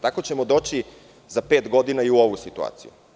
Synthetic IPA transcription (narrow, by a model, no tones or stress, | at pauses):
t̪ako̞t͡ɕe̞mo̞d̪o̞ːt͡ɕi | zape̞ːt̪ɡo̞d̪inaiuoʋusit̪ua̰ːt̪sijṵ